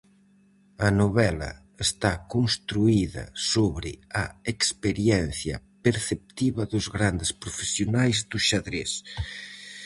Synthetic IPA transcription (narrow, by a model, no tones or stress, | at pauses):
ɐnoβɛlɐ̰ | est̪akonst̪ɾuiðɐ̰soβɾɪɐekspeɾjɛnθjɐ̰peɾθep̚t̪iβɐðʊzɣɾand̪ɪspɾofesjonajzðʊʃaðɾes